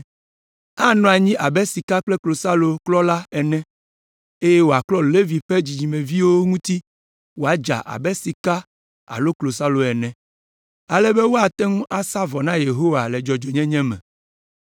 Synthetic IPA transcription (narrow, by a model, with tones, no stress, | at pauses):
a˦nɔ̃˨a˨ɲĩ˦ʔa˨bɛ˦si˨ka˦k͡plɛ˦klo˨sa˦lo˨klɔ˦la˦ɛ˨nɛ̃˦ | e˦jɛ˦wo˨a˨klɔ˦le˦vi˨ɸe˦d͡ʑi˨d͡ʑi˨mɛ̃˨vi˦wo˦ŋũ˦t̪i˦ | wo˨a˦d͡ʒa̰˨ʔa̰˨bɛ˦si˨ka˦ | a̰˨lo˦klo˨sa˦lo˨ɛ˨nɛ̃˨ | a˨lɛ˦be˦wo˦a˨t̪ɛ˦ŋũ˦ʔa˦sa˦vɔ˨nã˦je˨ɦo˦wa˨le˨d͡ʒɔ˨d͡ʒo˨ɲɛ̃˦ɲɛ̃˦mɛ̰̃˨